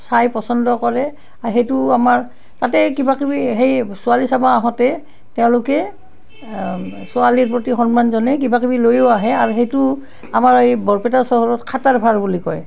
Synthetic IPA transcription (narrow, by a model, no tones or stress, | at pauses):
sajpɔsɔndɔkɔɹɛ | aɹxejtʊamaɹ | tatɛkibakibiɦejsʊalisabaːɦɔtɛ | tɛʊ̃lʊkɛ | sualiɹpɹotixɔnmanzɔnɛk̬ibakibilojowaɦɛaɹuxejtʊ | amaɹejbɔɹpɛtasɔɦɔɹɔtkʰataɹbʱaɹbulikɔj